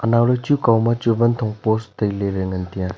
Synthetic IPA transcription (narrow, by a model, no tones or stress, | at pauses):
ɐnawɾɐt͡ʃukawmɐt͡ʃubɐntʰɔŋpostɐjleɾeŋɐntijã